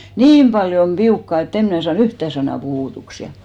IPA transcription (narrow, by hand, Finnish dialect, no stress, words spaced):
niːm pɑljom piukːɑˑ et em mnæ sɑːn yhtæˑ sɑnɑˑ puhuˑtuks jɑ